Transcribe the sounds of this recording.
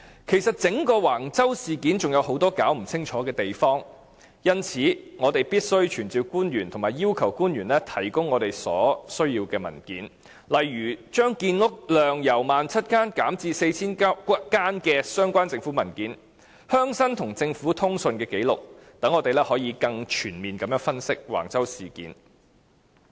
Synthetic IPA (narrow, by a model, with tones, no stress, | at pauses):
kʰe˨˩jsɐ˨t̚t͡sɪ˨˥ŋkɔː˧waː˨˩ŋt͡sɐ˥wsiː˨kiː˨˥nt͡sʊ˨ŋjɐ˨˧who˨˥wt̪ɔː˥kaː˨˥wm̩˨˩t͡sʰɪ˥ŋt͡ʃʰɔː˨˥kɛː˧t̪e˨jfɔː˥ŋ | jɐ˥nt͡sʰiː˨˥ŋɔː˨˧t̪e˨jpiː˥t̚sɵ˥ɥt͡ʃʰyː˨˩nt͡siː˧wkuː˥nɥyː˨˩nt̪ʰʊ˨˩ŋmaː˨˩jiː˥wkʰɐ˨˩wkuː˥nɥyː˨˩nlɛ˥t̪ʰɐ˨˩jkʊ˥ŋːɔː˨˧t̪e˨jsɔ̰ː˨˥sɵ˥ɥjiː˧wkɛː˧mɐ̰˨˩nkḭː˨˥n | lɐ˨jɥyː˨˩t͡ʃœː˥ŋkiː˧nlʊ˥k̚lœː˨ŋjɐ˨˩wmaː˨nt͡sʰɐ˥t̚kaː˥nkaː˨˥mt͡siː˧se˧jt͡sʰiː˥nkaː˥nkɛː˧sœː˥ŋkʷaː˥nt͡sɪ˧ŋfuː˨˥mɐ˨˩nkiː˨˥n | hœː˥ŋsɐ˥ŋt̪ʰʊ˨˩ŋt͡sɪ˧ŋfuː˨˥t̪ʰʊ˥ŋsɵ˧nkɛː˧ke˨˥jlʊ˨k̚t̪ɐ˨˥ŋːɔː˨˧t̪e˨jlɛː˥hɔː˨˥jiː˨˧kɐ˧ŋt͡ʃʰyː˨˩nmiː˨nkɐ˨˥mjœː˧˥ŋfɐ˥nsɪ˥k̚wa̰ː˨˩ŋt͡sɐ˥wsiː˨˩kḭː˨˥n